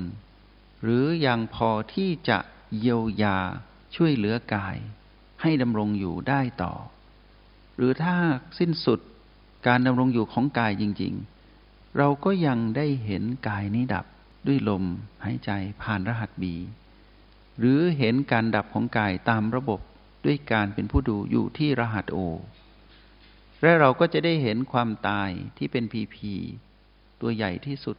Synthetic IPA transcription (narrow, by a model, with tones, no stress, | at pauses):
n | ɾɯː˩˦ja˧ŋpʰɔː˧t̪ʰiː˥˩t͡ɕa̰˨˩ʔ | ji˧əwjaː˧ | t͡ɕʰu˥˩əjlɯ˩˦ɐkaː˧j | ha˥˩jda˧mɾo˧ŋjṵː˨˩daː˥˩jt̪ɔ̰ː˨˩ | ɾɯː˨˦t̪ʰaː˥˩si˥˩nsu˨˩t̪̚ | kaː˧nda˧mɾo˧ŋjuː˨˩kʰɔː˩˦ŋkaː˧jt͡ɕi˧ŋt͡ɕḭ˧ŋ | ɾa˧wkɔː˥˩ja˧ŋdaː˥˩jɦe˩˦nkaː˧jniː˦˥da̰˨˩p̚ | du˥˩əjlo˧mhaː˩˦jt͡ɕa˧jpʰaː˨˩nɾa˧ɦa˨˩t̪̚biː˧ | ɾɯː˩˦ɦe˩˦nkaː˧nda˨˩p̚kʰɔː˩˦ŋkaː˧jt̪aː˧mɾa˧bo˨˩p̚ | du˥˩əjkaː˧npe˧npʰuː˥˩duː˧jṵː˨˩t̪ʰiː˥˩ɾa˧ɦa˨˩t̪̚ʔoː˧ | lɛ˦˥ɾa˧wkɔː˥˩t͡ɕa˨˩daː˥˩jɦe˩˦nkʰwaː˧mt̪aː˧jt̪ʰiː˥˩pe˧npʰiː˧pʰiː˧ | t̪u˧ɐja̰˨˩jt̪ʰiː˥˩su˨˩t̪̚